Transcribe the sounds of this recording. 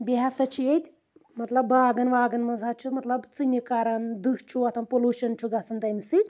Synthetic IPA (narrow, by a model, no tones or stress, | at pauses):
biɦasɐt͡ʃʰijet̪ʲ | mɐt̪lɐbʋaːɡɐnʋaːɡɐnmɐzʱat͡ʃʰimɐt̪lɐbt͡sɨnʲikaːɾɐnd̪ɨkt͡ʃʰuɐt̪ʰɐnpolʲuːʃɐnt͡ʃʰuɡɐt͡sɨnt̪ɐnsɨt̪ʲ